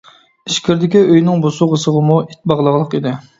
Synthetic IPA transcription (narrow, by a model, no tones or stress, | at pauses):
iʃkʲʰɪɾd̪ɪkʲiøjnɪŋbosuʁəsəʁəmuit̪̚bɑʁlˠəʁlˠəqid̪ɪ